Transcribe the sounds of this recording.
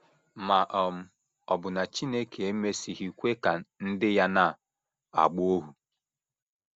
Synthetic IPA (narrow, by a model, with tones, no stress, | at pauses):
ma˨ʔɔ˨m̩˦ | ɔ˨bʊ˨na˨t͡ʃi˦ne˦ke˨e˦me˦si˨ɦi˨kʷe˦ka˨n̩˦dɪ˦ja˦na˦˨ | a̰˨ɡ͡bʊ˦o˦ɦu˨